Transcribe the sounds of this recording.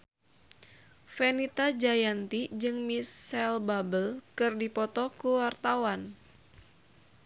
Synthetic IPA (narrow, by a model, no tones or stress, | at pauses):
fenit̪ad͡ʒajant̪id͡ʒɨŋmisɛlbabəlkɨrdipɔt̪ɔkuwart̪awan